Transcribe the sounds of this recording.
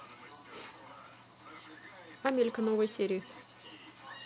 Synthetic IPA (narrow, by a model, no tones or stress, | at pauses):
ɐmʲelʲɪkənovəjsʲeɾʲɪɪ